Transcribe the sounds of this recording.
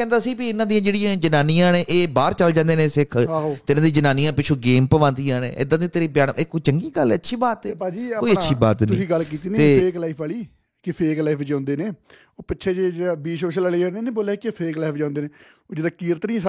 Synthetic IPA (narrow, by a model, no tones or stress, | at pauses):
kɛ̃ːnd̪aːəsĩːbiːɪnãːd̪ijãːd͡ʒeːɽijãːd͡ʒənaːnijãːnẽːʔeːbaːɾt͡ʃəld͡ʒãːnd̪eːnẽːsɪkʰːɦt̪ːɪnãːd̪ĩːd͡ʒənaːnijãːpɪt͡ʃʰuːɡeːmpəʋãːnd̪ijãːnḛ̃ːʔɪ̰d̪ãːd̪ĩːt̪eɾiːbjaːnɪkːot͡ʃəŋɡiːɡəlːɛːətːʃʰiːbaːt̪ɛd͡ʒiːkoːiəːʃʰiːba̰ːt̪nĩsĩːɡəlk̬iːt̪iːneeːeːklaːiːpʰaːliː | kɪpʰeːklaipʰd͡ʒãːnd̪eːneː | oːpɪtːʃʰeːd͡ʒeːd͡ʒbiːsoːʃələleːd͡ʒaɽeːnẽːboːleːkɪpʰeːklaipʰd͡ʒãːnd̪eːnẽː | od͡ʒɪd̪aːkiːɾət̪nĩː